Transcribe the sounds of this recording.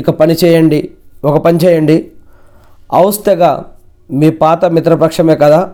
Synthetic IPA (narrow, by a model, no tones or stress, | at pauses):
ikɐpɐnit͡ʃɛːjɐɳɖiɔkɐpɐnit͡ʃɛːjɐɳɖi | ɐwɐst̪ɛɡaː | miːpaːt̪ɐmit̪ɾɐpɐkʂɐmeːkɐd̪aː